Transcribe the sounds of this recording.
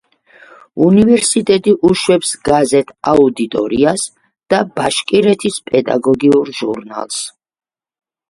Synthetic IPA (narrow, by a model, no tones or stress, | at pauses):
univɛɾsit̪ʼɛt̪ʼiʔuʃwɛpsɡazɛt̪ʰaud̪it̪ʼɔ̰ɾias | d̪̥abaʃkʼiɾɛt̪ʰispʼɛd̪a̰ɡɔɡiuɾʒṵɾna̰lˠs